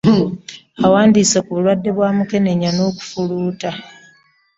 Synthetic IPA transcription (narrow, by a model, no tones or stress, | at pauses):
awaːndiːsekuβulwadːe̞βwaːmuke̞ne̞ɲano̞ːku̥fuluːta